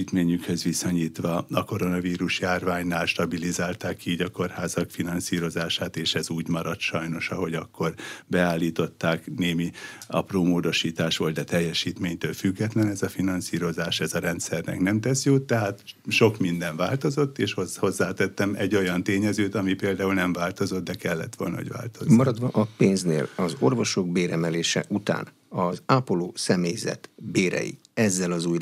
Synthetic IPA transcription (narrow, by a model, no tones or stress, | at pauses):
it̪meːɲykhø̞zʋisoɲiːt̪ʋɒɒko̞ɾo̞nɒviːɾuʃjaːrvaːɲnaːlʃt̪ɒbilizaːlt̪aːkiːɟɒko̞rhaːzɒkfinɒnsiːɾo̞zaːʃaːt̪eːʃɛzuːɟmɒɾɒt̪ʃɒjno̞ʃɒɦo̞ɟɒkːo̞rbɛaːlːiːt̪o̞t̪ːaːkneːmiɒ̰proːmoːd̪o̞ʃiːt̪aːʃʋold̪d̪ɛt̪ɛjːɛʃiːt̪meːɲt̪øːlfyɡːɛt̪lɛnɛzɒfinɒnsiːɾo̞zaːʃɛzɒɾɛnt̪sɛrnɛ̰knɛmt̪ɛsjoːt̪ːɛɦaːt̪ʃo̞kmind̪ɛɱvaːlt̪o̞zo̞t̪ːeːʃhozho̞zːaːt̪ɛt̪ːɛmɛɟːo̞jɒnt̪eːɲɛzøːt̪ɒmipeːld̪aːulnɛɱvaːlt̪o̞zo̞t̪̚d̪ɛkɛlːɛ̰t̪ʋo̞̰lnɒ̰ɦoɟʋa̰ːlt̪ozmɒɾɒd̪ʋɒʔɒpeːnznḛːlɒzo̞̰rvo̞ʃo̞ɡ̚beːɾɛmɛleːʃɛ̰ʔut̪a̰ːn | ɒzaːpoloːsɛmeːjzɛ̰t̪beːɾɛ̰jḭ | ɛzːɛlɒzuːj